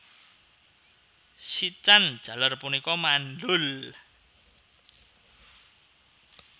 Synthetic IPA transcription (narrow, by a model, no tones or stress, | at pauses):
sit͡ʃan̥ʒ̥a̤larpunikɔmanɖʊl